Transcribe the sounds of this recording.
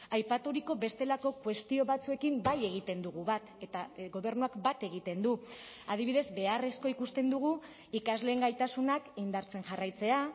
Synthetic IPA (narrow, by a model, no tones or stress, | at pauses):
ajpat̪uɾiko̞βe̞st̪e̞lako̞kwe̞st̪io̞βat͡sue̞kimbaje̞ɣ̞it̪e̞nd̪uɣ̞uβat̪e̞t̪aɣo̞β̞e̞ɾnuakbat̪e̞ɣ̞it̪e̞nd̪u | að̞iβiðe̞zbe̞are̞sko̞ikust̪e̞nd̪uɣ̞u | ikazle̞ːŋɡajt̪asunakeind̪aɾt͡se̞nʝarajt͡se̞a